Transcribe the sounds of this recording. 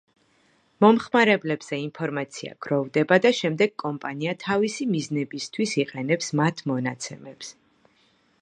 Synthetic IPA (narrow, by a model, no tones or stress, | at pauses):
mɔmχmaɾɛblɛbz̥ɛinpʰɔɾmat̪sʰia̰ɡ̥ɾɔvd̪ɛbad̪aʃɛmd̪ɛɡ̥̚kʼɔmpʼaniat̪ʰavisimiznɛbist̪ʰwisiqʼɛnɛpsmat̪ʰmɔnat̪sʰɛmɛps